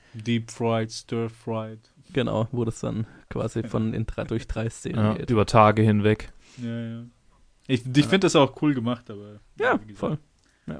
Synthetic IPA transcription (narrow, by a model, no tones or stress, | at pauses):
diːpfʁaɪtstœːfʁaɪt | ɡ̥əna̰ʊvoːdasd̥a̰nkʰv̥a̰ːzifɔnɪ̰ndʁadʊɐçd̥ʁaɪst͡seːnənɡḛːtʔyːbɐtʰaːɡəhɪnvɛk | jaːjaː | ʔɪçɪçfɪndəd̥asaʊxkʰuːlɡəmaχtaːbɐ | jaːfɔl | ja̰ː